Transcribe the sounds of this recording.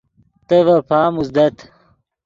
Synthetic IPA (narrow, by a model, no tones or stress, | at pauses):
t̪ɐʋɐpʰaːmuzd̪ɐt̪